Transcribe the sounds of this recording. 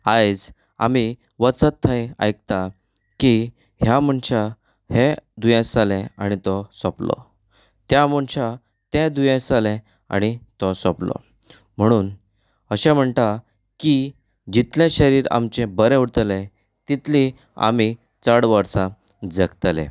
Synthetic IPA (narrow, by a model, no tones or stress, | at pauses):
ajd͡z | a̰mi | ʋət͡sət̪ʰːəja̰jk̚t̪a | ki | ɦjam̤əɳɕa | hed̪ujẽsalɛ̃añit̪ɔsɔplɔ̰ | t̪jam̤əɳɕa | t̪ɛ̃d̪ujẽsalɛ̃ | a̰ñit̪ɔsɔplɔ̰ | m̤əɽ̃uːn | əɕɛ̃m̤əɳt̪a | ki | d͡ʑit̪lẽɕəɾiːɾa̰mt͡ɕẽbəɾɛ̃uɽt̪əlɛ̃ | t̪it̪lĩ | a̰mi | t͡səɽʋəɾsã | d͡zəkt̪lɛ̰̃